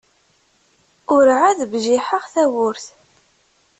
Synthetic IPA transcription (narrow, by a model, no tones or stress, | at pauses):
ʊɾʕaðbʒiħəʁθæwʊɾθ